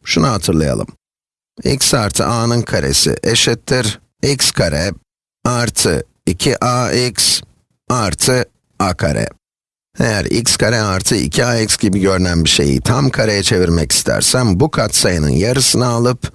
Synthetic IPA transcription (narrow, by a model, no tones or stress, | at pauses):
ʃunaɦat̪ʰɯɾlˠaja̰lˠɯ̰m | ḭksaɾt̪ʰɯ̰ʔaːnɯnkʰaɾḛsḭʔeʃɛt̪ʰːiɾ | icskʰaɾɛ | aɾt̪ʰɯ̰ | icʰiʔaiks | aɾt̪ʰɯ | akʰa̰ɾʔɛ̰ | ḛjæɾicskʰaɾɛaɾt̪ʰɯḭcʰiaicsɟibiɟø̞ɾynænbiʃe̞̰jḭt̪ʰamkʰaɾejat͡ʃʰe̞viɾmɛci̥st̪ʰæ̰ɾsæmbukʰat̪sajɯnɯ̰njaɾɯsɯnaalˠɯp